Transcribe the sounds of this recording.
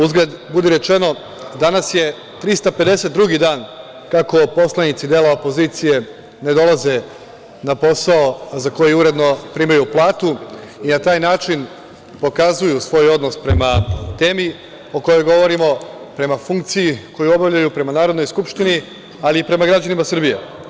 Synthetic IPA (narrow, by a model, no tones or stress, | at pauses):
uzɡlʲed̪bud̪eɾe̞t͡ʃe̞no̞ | d̪anasje̞ | t̪ɾist̪ape̞d̪e̞se̞t̪̚d̪ɾuɡid̪aːn | kako̞po̞slˠanit̪sid̪eːlaopo̞ziːt̪sije̞ | ne̞d̪o̞lˠaze̞ | napo̞saozako̞jeuɾe̞d̪no̞pɾiːmajuplˠaːt̪u | inat̪aːjnaːt͡ʃin | po̞kazujusʋo̞jo̞d̪no̞spɾe̞mat̪e̞ːmi | o̞ko̞jo̞jɡo̞ʋo̞ɾimo̞ | pɾe̞mafuŋkt̪sijiko̞juo̞bavʎajupɾe̞manaːɾo̞d̪no̞jskupʃt̪ini | aliːpɾe̞maɡɾad͡ʑanimasr̩bije